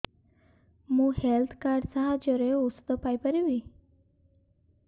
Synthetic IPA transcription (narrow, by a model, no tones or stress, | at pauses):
mũhelt̪ʰkaɾɖsaɦad͡ʑəɾeust̪ɔpajpəɾiʋi